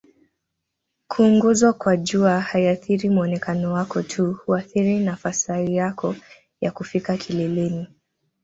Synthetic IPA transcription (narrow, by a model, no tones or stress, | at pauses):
kʰuːŋɡɔzwakwaʄuahaiaθiɾimuɔnɛkanɔwakɔtʰuhuaθiɾinafasaijakɔ | jakufikakʰilɛlɛni